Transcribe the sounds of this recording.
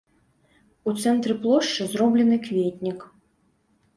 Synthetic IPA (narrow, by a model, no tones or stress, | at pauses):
ut̪sɛnt̪ɾɨplˠɔʂt͡ʂɨzɾɔblʲɛnɨkvʲetʲnʲik